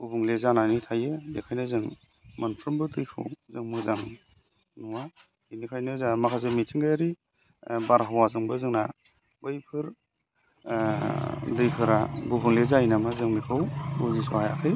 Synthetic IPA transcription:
ubuŋlezananitʰajɯbekʰajnɯzɯŋ | mantʰɾɯmbɯtɯjpʰɯ̰wzɯŋmɯzaŋ | nuwa | inikʰajnɯzamakʰazemitʰiŋɡajaɾi | baɾɦawazɯŋbɯzɯŋna | bɯjpʰɯɾ | dɯjpʰɯɾa̰bubuŋlezainamazɯŋmikʰɯwuzisɔhaja̰kʰɯj

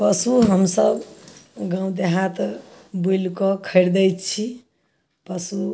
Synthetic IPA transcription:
pəsuɦəmsəbɡãw̃d̪eɦat̪bujlkɔkʰəɪɾd̪əjt̪t͡ʃʰi | pəsu

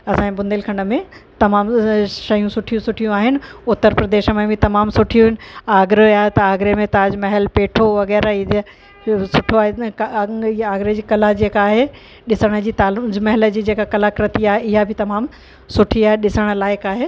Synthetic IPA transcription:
ɐsãːbʊ̃nd̪elkʰɐ̃ɳɖə̆mẽt̪ɐmaːmʃɐjũsʊʈʰijũsʊʈʰijũaːɦɪnɪ̆ʊt̪ːəɾpɾɐd̪eːʃəmẽbɪt̪ɐmaːmsʊʈʰijũɦɪnɪ̆aːɡɾoaːɦet̪ɐaːɡɾemẽt̪aːd͡ʑmɐɦɛlpeːʈʰoʋɐɣɛːɾaɪe | sʊʈʰoaːɦe | aːɡɾed͡ʑiːkɐlad͡ʑeːkaːɦe | ɗɪsəɽ̃ə̆d͡ʑiːt̪aːld͡ʑmɐɦɪləd͡ʑiːd͡ʑeːkakɐlakɾət̪iaːɦeɪɦabʱɪt̪ɐmaːm | sʊʈʰiaːɦeɗɪsəɽ̃ə̆laːɪkaːɦeː

